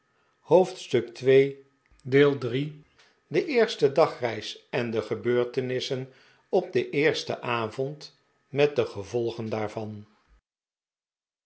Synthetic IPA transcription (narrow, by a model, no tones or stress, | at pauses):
howftstɵktʋej | deːlˠdri | dəʔɪːɹstədɑχrɛjsɛndəχəbøːɹtənɪsən | ɔb̚dəʔɪːɹstə̰ʔaːvɔnt | mɛt̚dəχəvɔlˠχəndaːɹvɑn